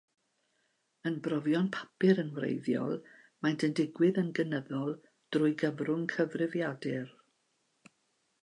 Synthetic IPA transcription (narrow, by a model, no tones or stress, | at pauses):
ənbrɔvjɔnpʰḁpɪɾənwrḛjðjɔ̰lˠ | majntʰəndɪɡwɪðənɡənəðɔlˠ | d̥rʊɨjɡəvrʊŋkʰəvrɪvjadɪr